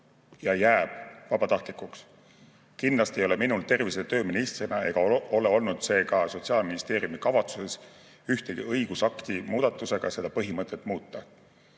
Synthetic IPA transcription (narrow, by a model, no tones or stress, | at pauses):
jɑjæːb̥vɑb̥ɑt̪ɑht̪likˑuks | kind̪lɑst̪iejo̞le̞minult̪e̞rviset̪ø̞ːminist̪rinɑe̞ɡ̥ɑo̞le̞o̞lnud̪̥se̞ːkɑso̞t̪ʲsiɑːlminist̪e̞ːɾijumikɑvɑt̪suse̞s | yht̪eɡḭɤjɡ̥usɑkt̪imuːd̪̥ɑt̪ːˑuse̞ɡ̥ɑ̰se̞d̪ɑpɤɦimɤt̪ːˑet̪ːˑmuːt̪ˑːɑ